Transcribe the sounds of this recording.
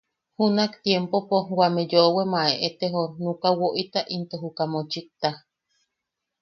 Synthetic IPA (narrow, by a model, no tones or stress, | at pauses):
hunakt̪jempopowamejoʔwemaʔeʔet̪eɦonukawoʔit̪aʔint̪oɦukamot͡ʃik̚t̪a